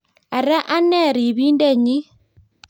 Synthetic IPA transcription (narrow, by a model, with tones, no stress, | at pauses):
a˨ɾa˦ʔa˦nːɛ˦˨ɾi˨βi˦nde˦˨ɲi˦